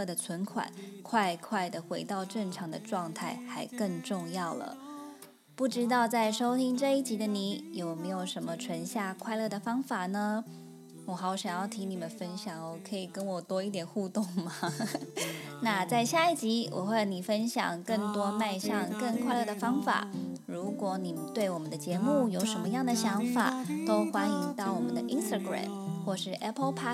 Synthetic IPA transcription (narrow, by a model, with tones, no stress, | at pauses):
d̪ə˩t͡sʰwə˧˥nkʰwa̰˨˩˦nkʰwa˥˧ɪkʰwa˥˩ɪd̪ə˩xwe˧˥ɪt̪ɑ˥˧ʊʈ͡ʂə˥˩ŋʈ͡ʂʰɑ˧˥ŋd̪ə˧ʈ͡ʂwɑ˥˧ŋt̪ʰa˥˩ɪxa˧˥ɪkə˥˧ŋʈ͡ʂʊ˥˧ŋjɑ˥˩ʊlə̰˩ | pu˥˩ʈ͡ʂɻ̩˥t̪ɑ˥˧ʊt͡sa˥˩ɪʂo˥ʊt̪ʰi˥ŋʈ͡ʂɤ˥˧i˥˩t͡ɕi˧˥d̪ə˧ni˧˥jo˨˩ʊme˧˥ɪjo˨˩ʊʂə˧˥nmə˧ʈ͡ʂʰwə˧˥nɕja˥˩kʰwa˥˧ɪlɤ˥˩d̪ə˩fɑ˥ŋfa˨˩nə˧ | wɔ˧˩xɑ˧˥o˧˩ɕjɑ˨˩ŋjɑ˥˩t̪ʰi˧˥ni˨˩mə˦nfə˥nɕjɑ˨˩ŋwɔ˨˩kʰɤ˧˥i˨˩kə˥nwɔ˨˩t̪wɔ˥i˥˩t̪jɛ˨˩nxu˥˧t̪ʊ˥˩ŋma˨ | na˥˧t͡sa˥˧ɪɕja˥˧i˥˩t͡ɕi˧˥wʔɔ̰˨˩xwni˨˩fə˥nɕjɑ̰˨˩ŋkə˥˩ŋt̪wɔ˥ma˥˧ɪʂɑ˥˧ŋkə˥˩ŋkʰwa˥˧ɪlɤ˥˩d̪ə˩fɑ˥ŋfa̰˨˩˦ɻu˧˥kwɔ˧˥ni˨˩mə˦nt̪we˥˩ɪwɔ˨˩mə˦nd̪ə˧t͡ɕjɛ˧˥mu˥˩jo˨˧˩ʊʂə˧˥nmə˧jɑ˥˩ŋd̪ə˩ɕjɑ˧˥ŋfa̰˨˩t̪o˥ʊxwa˥ni˧˥ŋt̪ɑ˥˩ʊwɔ˨˩mə˦nd̪ə˧ʔi˥nst̪a˧˩ɡɹa̰˨˩mxwɔ˥˧ʂɻ̩˥˩ʔɛ˥pʰpʰa˥